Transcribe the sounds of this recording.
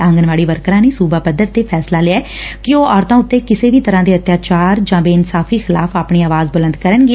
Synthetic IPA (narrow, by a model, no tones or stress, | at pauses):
ãːŋɡənʋaːɽiːʋəɾkɾãːniːsuːbaːpəd̪əɾt̪eːpʰɛːslaːlɪɛːkɪoːɔːɾt̪ãːʊt̪ːeːkɪseːʋiːt̪əɾãːd̪eːət̪jaːt͡ʃaːɾd͡ʒãːbeːɪnsaːfʰiːxʰɪlaːfʰaːpɳiːaːʋaːzbələ̃nd̪kəɾənɡiː